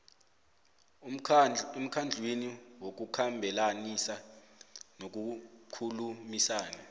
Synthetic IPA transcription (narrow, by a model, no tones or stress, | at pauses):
em̩kʰand͡ɮʱwiniwok̬ukʰambʱɛlanisa | nok̬ukʰulumisaːna